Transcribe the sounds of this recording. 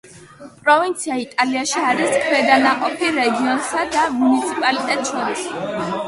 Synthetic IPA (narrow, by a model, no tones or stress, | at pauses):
pʼɾɔvint̪sʰiait̪ʼaliaʃiaɾiskʰwɛd̪anaqʼɔpʰiɾɛɡiɔnsad̪amunit̪sʰipʼalit̪ʼɛt̪ʼt͡ʃʰɛɾs